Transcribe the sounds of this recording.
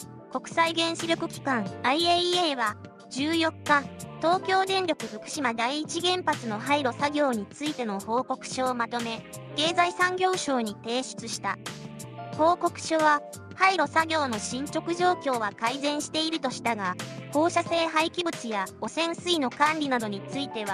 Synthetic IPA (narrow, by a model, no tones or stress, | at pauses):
ko̞kɯ̟̥saiɡẽ̞ɰ̃ɕiɾʲjo̞kɯ̟kʲi̥kãŋ̃aieeβa | d͡ʑɨːjo̞kːat̪o̞ːkʲo̞ːd̪ẽ̞nɾʲo̞kɯ̟ɸɯ̟kɯ̟̥ɕimad̪aiːt͡ɕiɡẽ̞mpat͡sɨno̞ɦaiɾo̞saɡʲo̞ːɲ̟it͡sɨit̪e̞no̞ho̞ːko̞kɯ̟̥ɕoːmat̪o̞me̞ | ke̞ːzaisãŋɡʲo̞ːɕo̞ːɲ̟it̪e̞ːɕi̥t͡sɨɕi̥t̪a | ho̞ːko̞kɯ̟̥ɕo̞βa | haiɾo̞saɡʲo̞ːno̞ɕĩɲ̟t͡ɕo̞kɯ̟ʑo̞ːkʲo̞ːβakaizẽ̞ɰ̃ɕi̥t̪e̞iɾɯ̟t̪o̞ɕi̥t̪aɡaho̞ːɕase̞ːɦaikʲibɯ̟t͡sɨjao̞sẽ̞ɰ̃sɨino̞kãnɾʲinad̪o̞ɲ̟it͡sɨit̪e̞βa